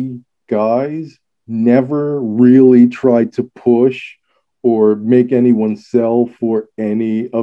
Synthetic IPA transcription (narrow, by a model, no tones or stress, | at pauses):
ɡ̥aɪz | nɛvə˞ɹɪlˠitʰɹ̥aɪtʰɨpʰʊʃ | ə˞meɪkɛniwʌ̃nsɛlˠfə˞ɛniʌ